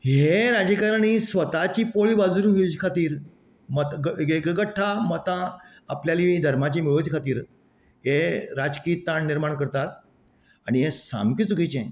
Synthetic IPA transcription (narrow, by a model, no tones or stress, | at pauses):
ɦeɾad͡ʑikəɾañisʋət̪at͡ɕiːpoɭiːbad͡zuɾũɦit͡ɕkʰat̪iːɾ | mət̪ɡɡeɡɡəʈʰːamət̪ã | apljalid̪ʱəɾmat͡ɕimiɭut͡ɕkʰat̪iːɾ | ɦeɾad͡zkiːt̪ːaɳːiɾmaɳkəɾt̪at̪̚ | aɽ̃iɦesa̰mkiːt͡sukit͡ɕẽ